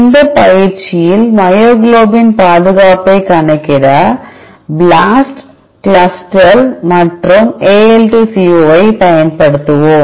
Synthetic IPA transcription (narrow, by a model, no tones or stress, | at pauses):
ɪnd̪ɐpɐjɪɾt͡ʃɪjɪlmɐjoːɡloːbɪnpaːðɯɣaːpɐɪkɐɳɐkːɪɾɐ | blaːsʈ | kɭɐsʈɐlmɐʈrɯmeːelʈisioːɐɪpɐjɐnpɐɽɯt̪ːɯʋʊm